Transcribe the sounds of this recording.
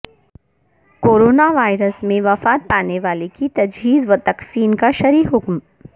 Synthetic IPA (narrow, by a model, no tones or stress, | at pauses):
koːɾoːnaʋaːɪɾəsmẽʋɐfaːt̪̚paːneʋaːlekit̪ɐd͡ʒɦiːzʋɐt̪ɐkfiːnkaʃɐɾiːɦʊkm